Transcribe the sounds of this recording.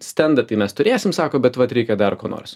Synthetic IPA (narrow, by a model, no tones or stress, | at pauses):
sʲt̪ʲɛnd̪ɐt̪ɐɪmʲɛst̪ʊɾʲeːsʲɪmsɑːkoːbʲɛt̪ʋɐt̪ɾʲɛɪkʲɛd̪ɐrkoːno̰ːɾs